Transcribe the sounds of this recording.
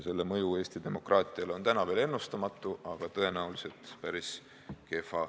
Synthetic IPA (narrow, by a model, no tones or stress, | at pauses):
se̞lːe̞mɤjue̞ːst̪id̪e̞mo̞krʔɑːt̪ˑiɑlo̞nt̪ænɑve̞ːlenːust̪ɑmɑt̪ːˑuʔɑɡ̥ɑt̪ɤ̞e̞næulise̞lt̪pæɾis | ke̞fɑ